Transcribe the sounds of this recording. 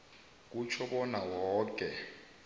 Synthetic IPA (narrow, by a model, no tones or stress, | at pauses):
k̬ut͡ʃʰɔɓɔnawɔːkʼɛ